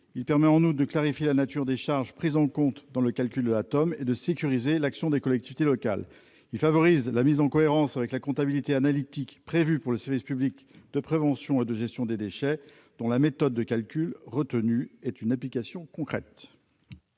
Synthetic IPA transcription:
ilpɛʁmɛɑ̃nut̪̚d̪əklaʁifjelanat̪yʁd̪eʃaʁʒpχizɑ̃kɔ̃t̪d̪ɑ̃ləkalkʲyld̪əlat̪ɔmed̪əsekʲyʁizelaksjɔ̃d̪ekɔlɛkt̪ivit̪elɔka̰l | ilfavɔʁizlamizɑ̃kɔeʁɑ̃savɛklakɔ̃t̪abilit̪eanalit̪ikpχevypuʁləsɛʁvispyblik | d̪̥əpχevɑ̃sjɔ̃ed̪əʒɛst̪jɔ̃d̪ed̪eʃɛ | d̪̥ɔ̃lamet̪ɔd̪ːəkʲalkʲylʁət̪ənyɛt̪ynaplikasjɔ̃kɔ̃kχɛt̪

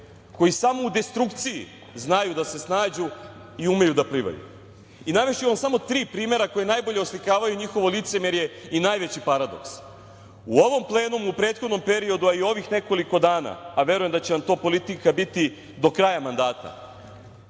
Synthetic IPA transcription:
ko̞jisamo̞ud̪e̞st̪ɾukt̪sijḭ | znajud̪ase̞snaːd͡ʑu | iume̞jud̪apɾiʋa̰jṵ | inaʋeʃiʋamsamo̞t̪ɾiːpɾiːme̞ɾako̞je̞najbo̞ʎe̞oslikaːʋajuɲixo̞ʋo̞lit̪se̞mje̞ɾje̞inaːjʋet͡ɕipaɾad̪o̞̰ks | uo̞ʋo̞mplˠe̞ːnumupɾe̞ːt̪xo̞d̪no̞mpe̞ɾio̞d̪uaio̞ʋixne̞ko̞liko̞d̪aːna̰aʋe̞ɾujemd̪at͡ɕenamt̪o̞ːpo̞lit̪ikabit̪i | d̪o̞kɾajamand̪aːt̪a̰

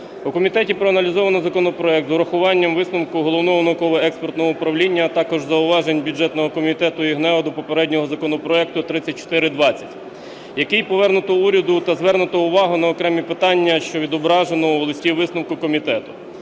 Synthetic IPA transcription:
ʊkɔmʲit̪ɛtʲipɾɔɐnɐlʲizɔʋɐnɔzɐkɔnɔpɾɔɛk̚t̪zɔɾɐxʊʋɑnʲːɐmʋɪsnʊmkʊɦɔlˠɔwnɔɦɔnʊkɔʋɔɛkspɔrt̪nɔɦɔʊpɾɐwlʲinʲːɐːt̪ɑkɔʒzɐʊʋɑʒenʲbʲʊd͡ʒɛt̪nɔɦɔkɔmʲit̪ɛt̪ʊiɦnɛɔd̪ɔpɔpeɾɛdʲnʲɔɦɔzɐkɔnɔpɾɔɛk̚t̪ʊt̪ɾɪt͡sʲːɐt̚ʲt͡ʃːɔ̥t̪ɪɾɪd̪ʋɑt͡sʲːɐtʲ | jɐkɪjpɔʋɛrnʊt̪ɔuɾʲɐd̪ʊt̪ɐzʋɛrnʊt̪ɔʊʋɑɦʊnɐɔkɾɛmʲipɪt̪ɑnʲːɐʃt͡ʃɔʋʲid̪ɔbɾɑʒenɔuʋɔlˠɔsʲtʲiʋɪsnɐmkʊkɔmʲit̪ɛt̪ʊ

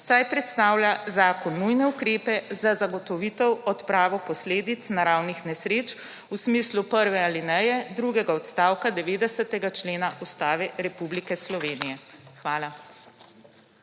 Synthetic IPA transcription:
sajpɾɛt̪st̪aːwljazaːkɔnːujnɛukɾeːpɛzazaɡɔt̪ɔʋit̪ɔwɔt̪pɾaːʋɔpɔsleːd̪it̪snaɾawnixnɛsɾeːt͡ʃ | usmislupəɾʋɛalinɛjɛd̪ɾuɡɛɡaɔt̪st̪aːwkad̪ɛʋeːd̪ɛsət̪ɛɡat͡ʃleːnaʔust̪aːʋɛɾɛpublikɛslɔʋeːnijɛxʋaːla

